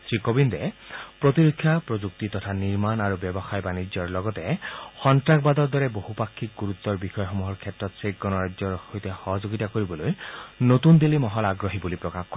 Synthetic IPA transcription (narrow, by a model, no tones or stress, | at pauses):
sɹikobindɛpɹot̪iɹokʰːjapɹozuk̚titɔtʰaniɹmanaɹubɛbɔxajbanid͡ʒɔɹlɔɡɔtɛxɔntɹakbad̪ɔɹd̪ɔɹɛbohupakʰːik̚ɡuɹut̪ːɔɹbixɔjɔxomuɦɔɹkʰɛtɹɔtsek̚ɡɔnɔɹad͡ʒzɔɹhojtɛxɔɦɔzoɡitakoɹibɔlojnotund̪elimɔɦɔlaɡɹoɦibulipɹɔkaxkɔɛ